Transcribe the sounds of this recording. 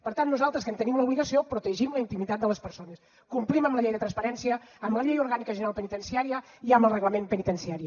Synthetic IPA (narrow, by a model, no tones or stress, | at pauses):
pəɾt̪anːuzalˠt̪ɾəskənt̪ənimləuβliɣəsiopɾut̪əʒimləint̪imit̪at̪d̪ələspəɾsonəs | kumpliməmbləʎejðət̪ɾənspəɾɛnsiəːmləʎejuɾɣanikəʒənəɾalˠpənit̪ənsiaɾiə | iəmbəlˠrəɣləmempənit̪ənsiaɾi